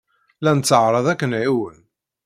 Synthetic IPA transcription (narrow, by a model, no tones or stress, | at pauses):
lænət͡sːəʕɾˤɑðˤækːənʕiwən